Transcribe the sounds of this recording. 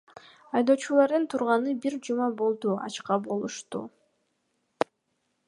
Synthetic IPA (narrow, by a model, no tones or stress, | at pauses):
ɑjd̪o̞ːt͡ʃulˠɑɾd̪ɯnt̪ʰuɾʁɑnɯbiɾd͡ʒumɑbo̞lˠd̪uɑ̰t͡ʃqɑbo̞lˠuʃt̪ṵ